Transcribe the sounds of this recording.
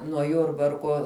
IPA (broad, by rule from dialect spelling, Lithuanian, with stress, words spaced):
nuɔ ˈjʊrbɐrkuɔ